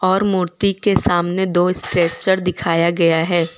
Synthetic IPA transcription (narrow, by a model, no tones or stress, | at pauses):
ɔːɾmuːɾt̪ikesaːmned̪oːɪsʈɾeːt͡ʃəɾd̪ɪkʰaːjaɡɐjaɦɛː